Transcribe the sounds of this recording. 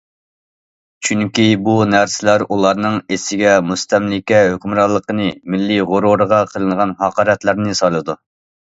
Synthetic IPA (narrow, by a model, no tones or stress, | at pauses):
t͡ʃʰyŋkʲibunæɾsɪlæɾulˠɑɾnɨŋesɪɡʲɛmust̪ʰɛmlɪkʲɛɦøkʲmɾɑlˠːəqənɨmɪlːiʁʊɾuɾəʁɑqʰəlˠɨŋʁɑnhɑqʰɑːɾɛt̪læɾnɨsɑjlˠɨd̪u